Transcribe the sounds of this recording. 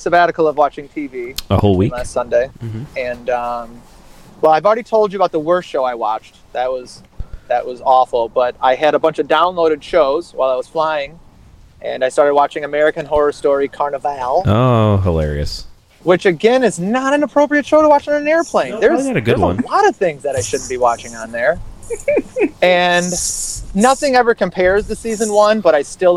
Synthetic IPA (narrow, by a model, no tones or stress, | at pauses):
sɨvæɾɨkl̩ˠʌvwɑt͡ʃɪ̃ŋtʰiviəhoʊlˠwilæstsʌ̃ndeɪm̩ɨ̃nʌ̃m | wɛlˠaɪəvl̩ˠɹɛɾitʰoʊlˠd͡ʒɨbaʊt̪̚ðəwɜ˞sʃoʊaɪwɑ̰t͡ʃt | ðɨt̚wʌz̥ðɨʔ̚wʌzɔfl̩ˠb̥ʌɾaɪɨɾəbʌ̃nt͡ʃʌvdãʊ̃nloʊɾɨd̥ʃoʊz̥waɪlˠaɪwʌz̥flaɪɪ̃ŋ | ʔɨ̰̃naɪstɑɹɾɨd̚wɑt͡ʃɪ̃ŋɨmɛɹɨkɨ̃nɦɔɹə˞stɔɹikʰɑɹnəvælˠoɦəlɛ̰ɹḭɨ̰s | wɨt͡ʃɨɡɛ̃nɨznəɾɨ̃nəpʰɹ̥oʊpɹiɨtʃoʊɾəwɑt͡ʃɪ̃nɨ̃nɛɹpʰl̥ẽɪ̃nðə˞zɨɾɨɡʊə˞d̚wəʌ̰̃nlɑɾʌv̥θɪ̃ŋzðɨɾaɪʃʊdⁿn̩b̥iwɑt͡ʃɪ̃ŋə̃nðə˞ | ɨ̃n | nʌθɪ̃ŋɛvə˞kʰɨ̃mpʰɛɹzðɨsizɨ̃nwʌ̃nbʌɾaɪstɪlˠ